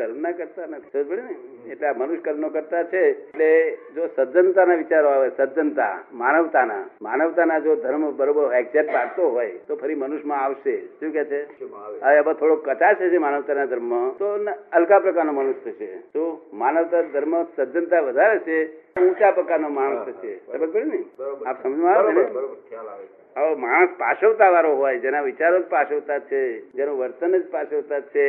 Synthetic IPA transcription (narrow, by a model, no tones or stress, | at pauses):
kəɾmnakəɾt̪anət̪ʰi̥səbəɽinəeʈleamənʊʃkəɾmnokəɾt̪at͡ʃʰeeʈled͡ʒosəd̪d͡ʒənt̪anaʋit͡ʃaɾoaʋesəd̪d͡ʒənt̪a̰manəʋt̪ana̰manəʋt̪anad͡ʒod̪ʱəɾmbəɾobəɾɛk̚seʈpaɽt̪oɦojt̪opʰəɾimənuʃmãaʋʃeʃũket͡ʃʰeəʋeəbət̪ʰoɽokət͡ʃat͡ʃʰet͡ʃʰemanəʋt̪anad̪ʱəɾmət̪onəlkapɾəkaɾnoməñuʃt̪ət͡ʃʰḛt̪omanəʋt̪ad̪ʱəɾməsəd̪ʱjənt̪aʋəd̪ʱaɾet͡ʃʰeũt͡ʃapɾəkaɾnomaɽə̃səesəbək̚bəɽinəjapsəməd͡ʒmãaʋene | aomaɽ̃əspaʃəʋt̪aʋaɾoɦojd͡ʒenaʋɪt͡ʃaɾod͡ʒpaʃəʋt̪at͡ʃʰed͡ʒenõʋəɾt̪ənəd͡ʒpaʃəʋt̪at͡ʃʰe